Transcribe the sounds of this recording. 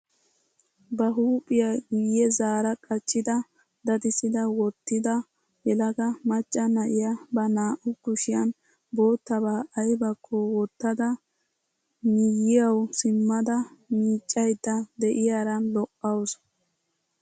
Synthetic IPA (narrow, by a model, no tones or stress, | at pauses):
bɐɦuːpʼɪjɐɡijɛzaːɾɐkʼɐt͡ʃːɪd̪ɐ | d̪ɐd̪ɪsɪd̪ɐwɔt̪ːɪd̪ɐ | jɛlɐɡɐmɐt͡ʃʼːɐnɐʔɪjabɐnaːʔʊkʊʃɪjɐn | bo̞ːt̪ːɐbaːʔɐjbɐkʰːɔwɔt̪ːɐd̪ɐ | mɪjɪjɐwsɪmːɐd̪ɐmiːt͡ʃʼːɐjd̪ːɐd̪ɛʔɪjaɾɐnlɔʔːɐws